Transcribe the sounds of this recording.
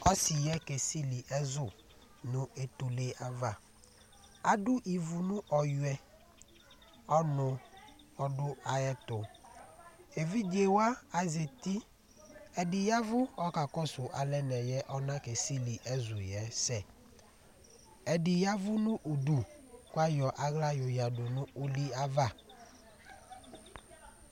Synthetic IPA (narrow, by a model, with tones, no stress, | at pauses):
ɔ˦sɪ˨jɛ˦ke˨si˦li˨ʔɛ˦zʊ˨ | nʊ̃˦e˨t̪u˨le˦a˦va˨ | a˨dʊ˦ʔi˨vu˨nʊ̃˦ʔɔ˨jʊ˨ɛ˦ | ɔ˦nʊ̃˨ | ɔ˦dʊ˦a˨jɛ˦t̪ʊ˨ | e˨vi˦d͡ʒe˨wa˦a˨ze˨t̪i˦ | ɛ˨dɪ˨ja˦vʊ˦ɔ˦ka˨kɔ˦sʊ˨ʔa˨lɛ˦nɛ˨jɛ˦ʔɔ˦nã˦ke˨si˦li˨ʔɛ˦zʊ˨jɛ˨˦sɛ˦˨ | ɛ˨dɪ˨ja˦vʊ˦nʊ̃˦ʔu˨du˨kʊ˦a˦jɔ˨ʔa˦ɣla˦jʊ˨ja˨dʊ˨nʊ̃˦u˨li˦a˦va˦˨